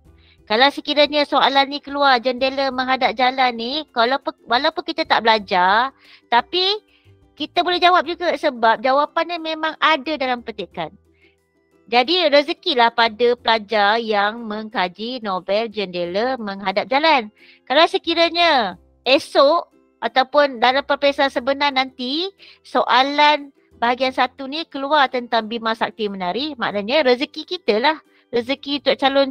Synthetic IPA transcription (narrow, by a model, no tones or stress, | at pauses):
kalawsəkiɾaɲəsoalanːĩkəluard͡ʒəndeləməŋɦadap̚d͡ʒalanːikalawalawpʊnkit̪at̪aʔbəlad͡ʒar | t̪api | kit̪abolɛɦd͡ʒawap̚d͡ʒuɡasəbap̚d͡ʒawapanːimẽmãŋadadalampət̪ekan | d͡ʒadirəzəkilahpadəpəlad͡ʒarjaŋməŋkad͡ʒinobɛld͡ʒəndeləməŋɦadap̚d͡ʒalan | kalasəkiɾaɲa | esoʔ | at̪awpʊndalampərpesansəbənarnant̪i | soʔalan | baɦaɡiansat̪unikəluart̪ənt̪aŋbimasak̚t̪imənaɾima̰ʔnaɲaɾəzəkikit̪əlah | rəzəkit̪uaʔ̚t͡ʃalʊn